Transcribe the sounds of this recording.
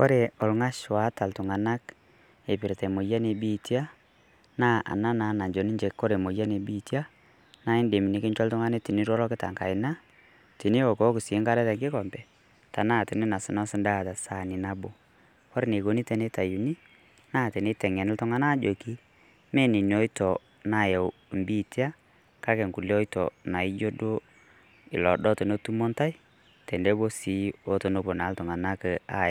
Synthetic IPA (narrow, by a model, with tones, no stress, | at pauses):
ko˦ɾe˨ɔ˨lŋa˦ʃwa˨˦ta˨ltʊ˨ŋa˨na˦k | e˨pɪ˨ɾtɛ˨mo˨ja˦ne˨bi˦tja˦ | naː˦ʔa̰˨na˦na˨˦na˨nd͡ʒo˨ni˦ɲd͡ʒe˨kkːo˦ɾe˨mo˨ja˦ne˨bi˦tja˦ | na˦ɪ˦nde˨mi˨ni˨˦kɪ˦nt͡ʃɔ˦ltʊ˦ŋa˦ne˦ti˨ni˦ɾɔ˦lɔ˦kɪ˦ta̰˨ŋka̰˨ɪ˨na˦ | ti˨ni˦ɔ˨ko˨˦kɪ˨se˦ŋka˦ɾɛ˦tɛ˨ŋɡɪ˦kɔ˨mbɛ˨ | ta˨naː˦˨ti˨ni˦na˨sɪ˨nɔ˦sɪ˦nda˦˨ta˨sa˨ni˨na˦bo˨ | kɔ˦ɾne˨ko˦ni˦tɛ˨ne˦ta˨ju˨ni˦ | na˦˨tɛ˨ne˦tɛ˨ŋɛ˨nɪ˦ltʊ˦ŋa˦na˦d͡ʒo˨ki˦ | mɛ˦ni˨ni˨ɔ˦i˦tɔ˨ | na˨jɛ˨w | mbi˦˨ti˦a˦ | ka˦kɛ˨ŋku˨le˦ɔ˦jtɔ̰˨na˨ɪ˦d͡ʒo˦do˦ | ɪ˨lɔ˨dɔ˦to˨no˦tu˦mo˦nta˦i˦ | tɛ˨nde˦bo˦si˨˦o˦to˨no˦bo˨na˨˦ltʊ˨ŋa˨na˦kɛ˨a˦